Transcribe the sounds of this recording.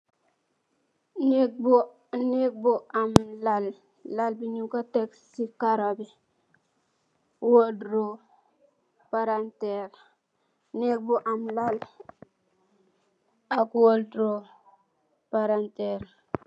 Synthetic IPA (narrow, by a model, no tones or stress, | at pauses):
nek̚bo | nek̚boamlalː | albiɲukateksikaɾobi | woldɾo | paɾanteɾ | nek̚boʔamlal | akwoldɾo | paɾanteɾ